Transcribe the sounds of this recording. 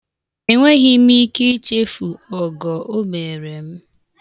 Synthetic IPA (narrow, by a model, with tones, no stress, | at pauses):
e˨ŋʷe˦ɣi˦m̩˦i˦ke˦t͡ʃe˦fu˨ɔ˨ɡɔ˨ʔo˦me˨ɾe˨m̩˦